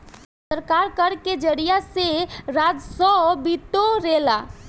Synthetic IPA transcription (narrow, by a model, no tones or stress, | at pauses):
səɾkaɾkəɾked͡ʒəɾijaseɾad͡ʒ̪sɔbit̪oɾela